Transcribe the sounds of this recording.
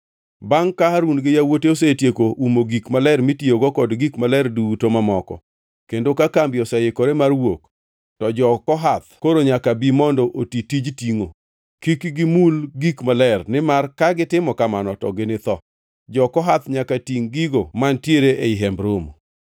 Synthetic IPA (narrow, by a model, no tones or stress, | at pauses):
baŋkahaɾunɡɪjawoteos̬etjekoʔumoɡikmalɛrmitioɡɔkɔdɡikmalɛrdutomamɔkɔ̰ | kendokakambjɔsɛjɪkoɾemarwok | tɔd͡ʒɔkɔɦat̪koɾoɲakabimɔndɔʔotitid͡ʒtiŋo | kikɡɪmulɡikmalɛrnɪmarkaɡɪtɪmɔkamanɔtɔ̰ɡɪnɪt̪ɔ | d͡ʒɔkɔɦat̪ɲakatiŋɡiɡomantjeɾeʔeɪɦɛmbɾom